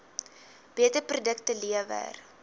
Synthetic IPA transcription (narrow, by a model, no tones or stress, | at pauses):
b̥iətərprodəktəliəvə̰r